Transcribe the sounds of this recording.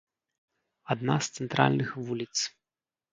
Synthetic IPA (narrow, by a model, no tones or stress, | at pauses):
ad̪na̰st̪sɛnt̪ɾa̰lʲnɨxvulʲit̪s